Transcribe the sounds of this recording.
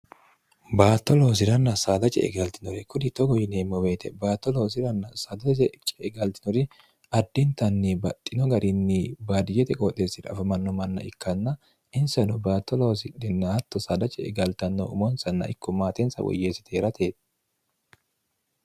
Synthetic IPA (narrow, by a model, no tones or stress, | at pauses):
baːt̪ːɔlo̞ːs̬ɪɾɐnːɐsaːd̪ɐt͡ʃʼɛ̰ʔɛ̰ɡɐlt̪ɪnɔɾɛkʊd̪ɪt̪ɔɡɔjɪneːmːɔweːt̪ɛbaːt̪ːɔlo̞ːs̬ɪɾɐnːɐsaːd̪ɐt͡ʃɛt͡ʃʼɛɛɡɐlt̪ɪ̥nɔɾɪ | ɐd̪ːɪnt̪ɐnːibɐt̪ʼːɪnɔɡɐɾʔɪnːibaːd̪ɪjɛt̪ɛkʼɔt̪ʼesɪɾɐ̰fɐmɐnːɔmɐnːɐ̰ʔɪkːɐnːɐ | ʔɪnsɐnɔbaːt̪ːɔlo̞ːsɪᶑɛnːɐɐt̪ːɔsad̪ɐt͡ʃʼɛɛ̰ɡɐlt̪ɐnːɔ̰ʊ̰mɔnsɐnːɐ̰ʔɪ̰kʰːɔmaːt̪ɛnsɐ̰wɔ̰jːeːsɪ̥t̪ʰeːɾɐt̪ʰeːt̪